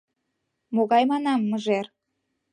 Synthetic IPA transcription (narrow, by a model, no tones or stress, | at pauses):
moɣɑjmɑnɑmːəʒer